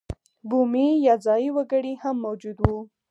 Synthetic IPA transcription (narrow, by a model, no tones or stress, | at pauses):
bumijɑzɑjiwəɡəɽihamːowd͡ʒud̪wu